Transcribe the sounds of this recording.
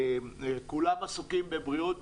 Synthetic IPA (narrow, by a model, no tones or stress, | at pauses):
kulamasukimbe̞bʁiot̪̚